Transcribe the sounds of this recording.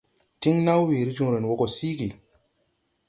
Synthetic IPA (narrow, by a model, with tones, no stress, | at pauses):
ti˦ŋna˦wwi˨ɾi˦d͡ʒũ˦ŋ˨ɾe˨n˨wo˦ko˨si˦ɡi˨